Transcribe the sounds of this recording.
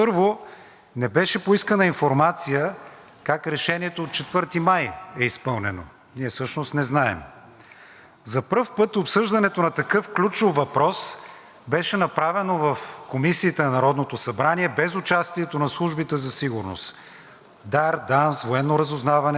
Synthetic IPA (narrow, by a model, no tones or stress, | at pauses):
pɤɾvo | nɛbɛʃɛpoiskənəinfoɾmat̪sijə | kakɾɛʃɛnʲiɛt̪oːt̪̚t͡ʃɛt̪vɤɾt̪imajɛispɤlˠnɛno̰ | niɛfsɤʃnost̪nɛznaɛ̰m | zɐpɾɤfpɤt̪opsɤʒd̪ɐnɛt̪onɐt̪ɐkɤfklʲut͡ʃovːɐpɾɔs | bɛʃɛnɐpɾavɛnovɐfkomisiːt̪ɛnɐnɐɾɔd̪not̪osɐbɾaniɛbɛzʊt͡ʃast̪iɛt̪onɐslˠuʒbit̪ɛzɐsiɡʊɾno̰st̪ | d̪aɾd̪ansvoɛnːoɾɐzʊznavɐnɛ